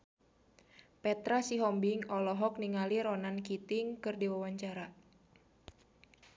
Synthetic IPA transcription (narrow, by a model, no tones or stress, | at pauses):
pɛt̪ɾasiɦɔmbiŋɔlɔɦɔk̚niŋaliɾɔnankit̪iŋkɨrdiwawaɲt͡ʃaɾa